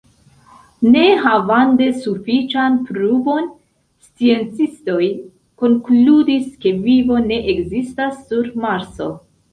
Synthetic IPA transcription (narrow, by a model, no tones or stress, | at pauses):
ne̞ɦavante̞sufit͡ʃanpɾubo̞n | st͡sie̞nt͡sisto̞j | ko̞ŋkludiske̞vivo̞ne̞ʔekzistasːuɾmaɾso̞̰